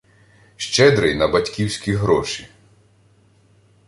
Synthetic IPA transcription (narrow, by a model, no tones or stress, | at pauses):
ʃt͡ʃɛd̪ɾɪjnɐbɐtʲkʲiwsʲkʲiɦɾɔʃi